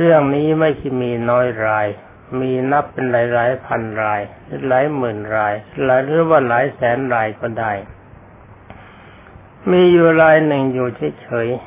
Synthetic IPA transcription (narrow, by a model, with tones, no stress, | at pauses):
ɾɯ˥˩əŋniː˦˥ma˥˩jkʰa˥˩jmiː˧nɔː˦˥jɾaː˧j | miː˧na˦˥pːe˧nɾaː˩˦jɾaː˩˦˥jpʰa˧nɾaː˧j | laː˩˦jmɯː˨˩nɾaː˧jlaː˨˩˦ɾɯ˥˩waː˥˩laː˩˦jsɛː˩˦nɾaː˧jkɔː˥˩daː˥˩j | miː˧juː˨˩ɾaː˧jnɯ˨˩ŋjuː˨˩t͡ɕʰa˦˥˩t͡ɕʰɤː˩˦j